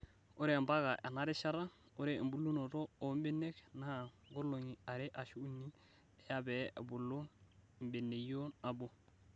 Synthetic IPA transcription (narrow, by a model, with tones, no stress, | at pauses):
o˦ɾe˦˨mba˦ɡa˨ʔḛ˨na˦ɾe˦ʃa˦ɾa˦ | o˦ɾḛ˨mbu˨˦lu˦no˨ɾo˦o˨˦m˦be˦nːe˦kna˦˨ | ɡo˦lo˨ɲi˨a˨ɾe˦ʔa˨ʃu˦u˦nːi˦ | e˨ja˦be˨a̰˨bu˨lːo˦˨ | mbe˨ne˨jo˦na˨bo˨